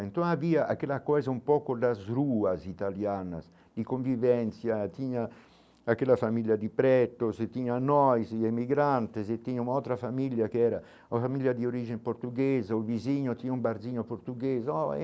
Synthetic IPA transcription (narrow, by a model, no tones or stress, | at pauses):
int̪oŋaviːaʔa̰kːelakɔjzaumpɔːkod̪azɾuːazit̪aljana̰s | d̪ikoɱvivɛnt̪sjat̪iɲaː | kːelːafamiljad̪ipɾɛt̪ost̪ːiɲanːɔjzemiɡɾant̪ezet̪ːiɲaunawt̪ɾafamiljakeɛːɾa | afamiljad̪ioɾid͡ʒempoɾt̪uɡezaoviziɲːot̪iɲumbaɾd̪ziɲopoɾt̪uɡeːzɔɛ̰